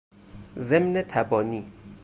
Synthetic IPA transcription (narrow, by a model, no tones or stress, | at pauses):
ze̞mnet̪ʰæbɒːniː